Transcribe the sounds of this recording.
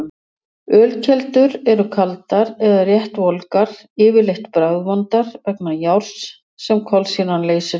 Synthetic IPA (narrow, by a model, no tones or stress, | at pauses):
œːlcʰɛlt̪ʏɾɛɾʏkʰalt̪aɾɛðarjɛht̪vɔlkaɾ̥ | ɪːvɪleht̪pɾawðvant̪aɾ̥vɛknajawɾ̥s | sɛmkʰɔlsinanleːjsɪ